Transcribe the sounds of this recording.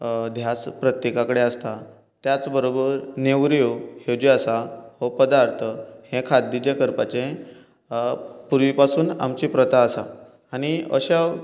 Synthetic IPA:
d̪ʱjat͡spɾət̪jekakəɽeəst̪a | t̪jat͡sbəɾobəɾneʋɾjohed͡ʑiəsahopəd̪aɾt̪ʰəhẽkʰad̪ːid͡ʑekəɾpat͡ɕẽ | puɾʋipasuːna̰mt͡ɕipɾət̪aəsaː | ɽ̃iə̰ɕaʋ

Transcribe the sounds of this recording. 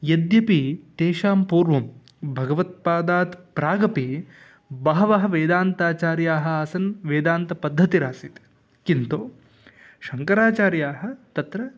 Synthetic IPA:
jɐd̪jɐpit̪eːʃaːmpuːɾʋɐm | bʱɐɡɐʋɐt̪̚paːd̪aːt̪pɾaːɡɐpi | bɐɦɐʋɐɦɐ̆ʋeːd̪aːnt̪aːt͡ʃaːɾjaːɦɐ̆aːsɐnʋeːd̪aːnt̪ɐpɐd̪ʱːɐt̪iɾaːsit̪ | kint̪oː | ʃɐŋkɐɾaːt͡ʃaːɾjaːɦɐ̆t̪ɐt̪ɾɐ

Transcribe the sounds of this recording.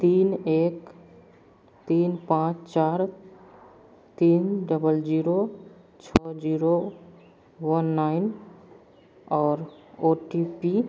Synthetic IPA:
t̪inek | t̪inpãt͡ʃt͡ʃaɾ | t̪inɖəbəld͡ʒiɾo | t͡ʃʰɔd͡ʒiɾo | ʋənːaɪn | ɔːɾoʈipi

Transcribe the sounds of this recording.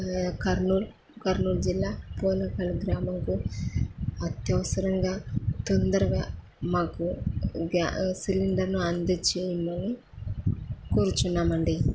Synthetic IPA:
kɐɾnuːl | kɐɾnuːld͡ʒilːaːpoːlɐkɐlɡɾaːmɐŋku | ɐt̪jɐʋɐsɐɾɐŋɡaːt̪ond̪ɐɾɐɡaː | maːkuɡasiliɳɖɐɾnuɐnd̪ɐt͡ʃeːjɐmɐni | kuːɾut͡ʃunːaːmɐɳɖi

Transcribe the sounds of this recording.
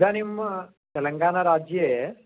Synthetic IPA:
d̪anim | t̪ɐləŋɡaːnaɾaːd͡ʒje

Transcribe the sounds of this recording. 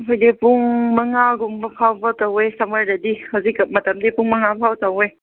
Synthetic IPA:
ɦɔjdepuŋmɐŋaɡumbɐpʰawbɐtawejsɐməɾdɐdihawzik̚mɐtɐmdipuŋmɐŋapʰawtawej

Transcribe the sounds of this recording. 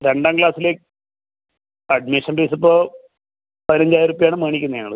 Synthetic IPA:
ɾeɳɖaːmkɭaːsile | ɐɖmeːʂɐnbeːs̬ipːoː | pɐðinɐɲd͡ʑaːjɾuːpːɐjaːɳɨmeːɳikʲːunːɐeːɐɭɨ

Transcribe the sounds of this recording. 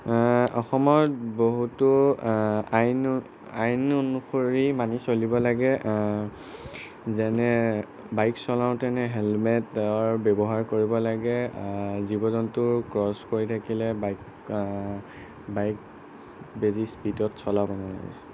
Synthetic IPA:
ɔxɔmɔtboɦutʊ | ajn | ajnonuxoɹimanisolibɔlaɡɛ | zɛnɛ | bajksɔlaʊ̃tɛnɛɦɛlmɛtɔɹbɛbɔɦaɹkoɹibɔlaɡɛzibɔzɔntʊɹkɹɔskoɹitʰakilɛbajk | bajk | bezispidɔtsɔlabɔna̰ɡɛ̰

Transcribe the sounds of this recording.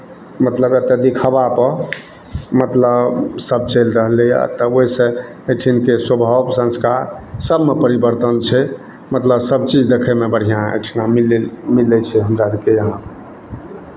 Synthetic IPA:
mət̪ləbet̪əd̪ikʰabapə | mət̪ləbsəb̚t͡ʃelɾəɦleja̰t̪əoisə̃ | eʈʰinkeswəbʱəbsə̃nskaɾsəbmepəɾibəɾt̪ənt͡ʃʰɛ | mət̪ləbsəb̚t͡ʃid͡ʒd̪ekʰemebəɽ̤ijãḛʈʰinamilemilːɛt͡ʃʰɛɦəmɾadikejəɦã

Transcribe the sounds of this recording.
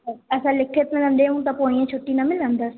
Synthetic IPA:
əɛsãːlɪkʰːet̪mɪlə̃ːnd̪eːũːt̪ãːpoːijãːt͡ʃʰoʈːiːnãːmɪlãːnd̪aːs

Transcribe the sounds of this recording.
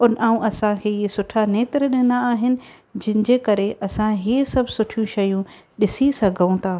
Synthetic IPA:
ʊnʔaːũʔɐsãkʰeːiesʊʈʰaneːt̪ɾɗɪnaaːɦɪnɪ̆ | d͡ʑɪ̃ɦɪnɪ̆d͡ʑekɐɾeʔɐsãɦisɐbʱsʊʈʰijũʃɐjũ | ɗɪsisɐɡʱəũt̪ʰaː

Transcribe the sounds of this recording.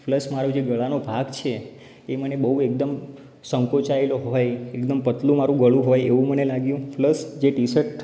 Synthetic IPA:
fləsmaɾũd͡ʒeɡəɭanobʱaɡt͡ʃʰe | emənebəɦuek̚d̪əm | sə̃ŋkot͡ʃaeloɦojekd̪əmpət̪lũmaɾũɡəɭũɦojeʋũmənelaɡjũfləsd͡ʒeʈisəɾʈ

